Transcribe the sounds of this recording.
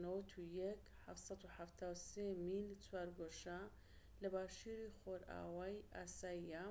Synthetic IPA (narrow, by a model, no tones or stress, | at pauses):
nowɐt̪ʰujɛk | ħa̰ft̪sɑd̪uħaft̪ʰaːwseːmilt͡swaːɾɡoʃa | lɐbaːʃiːɾixoɾa̰ːwaːjʔaːsaːjija